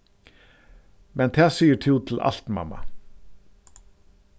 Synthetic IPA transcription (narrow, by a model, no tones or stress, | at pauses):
mɛnt̪ʰæːsiːət̪ʰuːt̪ʰɪl̩ʔa̰l̥t̪ma̰ma̰